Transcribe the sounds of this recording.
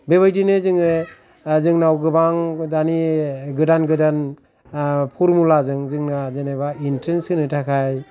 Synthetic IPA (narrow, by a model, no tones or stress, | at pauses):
beβajdinɯzɯŋɯ | zɯŋnawɡɯbaŋdaniɡɯdanɡɯdan | pʰuɾmulazɯŋzɯŋnazenebaintensɯnɯtʰakʰaj